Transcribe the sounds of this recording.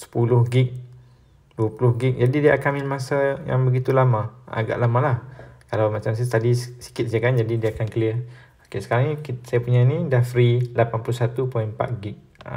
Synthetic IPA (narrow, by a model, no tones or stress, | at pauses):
sə̥pulʊhɡik̚ | duəpulʊhɡik̚d͡ʒadidiaʔakanminmãsaja̰ŋbəɡit̪ulamãa̰ɡa̰ʔlamãlahkalawmat͡ʃams̬ast̪adisi̥kɪt̪̚sakand͡ʒadidiaːkankəliə | akesə̥kaɾaŋnikisajapuɲanĩdahfɾilapanpuluhsat̪upɔinpa̰t̪̚ɡik̚